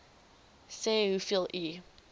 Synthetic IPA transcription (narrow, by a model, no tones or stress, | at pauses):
seːhufilˠi